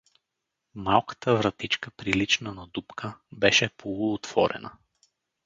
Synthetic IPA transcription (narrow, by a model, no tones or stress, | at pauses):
malˠkə̥t̪əvɾɐt̪it͡ʃkəpɾilit͡ʃnənɐd̪upkʰəbɛʃɛpʰolˠʊːt̪v̥ɔɾɛ̰nə̰